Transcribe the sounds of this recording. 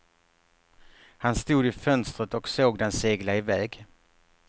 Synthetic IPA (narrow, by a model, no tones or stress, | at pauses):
hanst̪uːd̪ɪfœnst̪ɾət̪ɔksoːɡd̪ɛnseːɡlaɪvɛːɡ